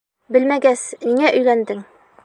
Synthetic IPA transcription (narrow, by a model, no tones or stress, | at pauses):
bɘ̆lmæɡæsniŋæʔɵ̆jlænd̪ɘŋ